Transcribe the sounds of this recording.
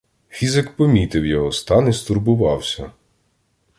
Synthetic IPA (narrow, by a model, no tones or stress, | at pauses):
xʲizɛkpɔmʲit̪ɪwjɔɦɔst̪ɑnist̪ʊrbʊʋɑwsʲɐ